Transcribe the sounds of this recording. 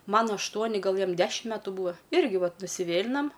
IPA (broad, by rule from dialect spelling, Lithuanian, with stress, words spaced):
ˈmɐn ɐʃˈtuɔnʲɪ ˈɡɐlˠ ˈjɛm ˈdʲæːʃʲɪm ˈmʲæːtuː ˈbuːɐ ˈɪrʲɡʲɪ ˈʋɐt nʊsʲɪˈʋʲeːlʲɪnɐm